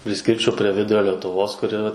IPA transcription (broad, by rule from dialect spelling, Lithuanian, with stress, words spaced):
pʲrʲɪˈsʲkʲɪrʲt͡ʃʲɛʊ pʲrʲɛ ˈʋʲɪdʊrʲoː lʲɛtʊˈʋoːs kʊˈrʲɪ